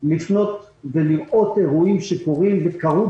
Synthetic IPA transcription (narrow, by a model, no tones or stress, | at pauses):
lifno̞t̪ | veliʁʔo̞t̪eʁuimʃekoʁimvekaʁu